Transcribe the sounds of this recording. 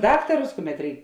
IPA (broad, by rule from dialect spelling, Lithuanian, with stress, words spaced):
ˈdɑːktɐrʊs ˈkʊˌmʲɛt ˈrʲɛɪk